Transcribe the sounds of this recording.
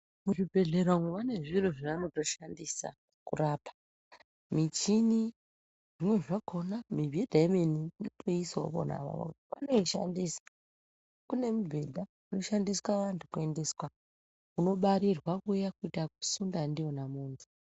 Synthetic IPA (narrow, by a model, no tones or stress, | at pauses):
muʐibʱe̞ɮeɾaŋwuʋane̞ʐiro̞ʐiʋano̞to̞ʃandisa̰ | kuraːpʰḁ | mit͡ʃini | ʐimwe̞ʐakʰo̞namivʱiedʱaemeninotʰoisapo̰na̰ʋa̰ʋo̰kutiʋa̰no̞iʃa̰ndisḁ | kune̞mubʱedʱa | uno̞ʃandiswaʋantʰukue̞nde̞swa | kuno̞ɓaɾirwakujakuitaku̥sundandijo̞namuːnze